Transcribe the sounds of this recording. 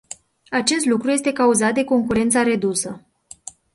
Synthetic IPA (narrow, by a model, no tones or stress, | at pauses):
at͡ʃe̞s̬t̪lukɾuje̞st̪e̞kauzat̪̚d̪e̞ko̞ŋkuɾe̞nt̪saɾe̞d̪usə